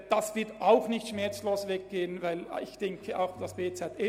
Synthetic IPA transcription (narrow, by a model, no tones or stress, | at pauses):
d̥asv̥ɪɐtaʊxnɪçtʃmɛɐt͡sloːsvɛk̚ɡ̥eːənvaɪlɪçd̥ɛŋkʰəʔa̰ʊxd̥asb̥eːt͡sɛtɛ